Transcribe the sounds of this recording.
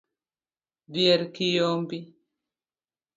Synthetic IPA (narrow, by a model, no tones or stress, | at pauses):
dijɛɾkijombi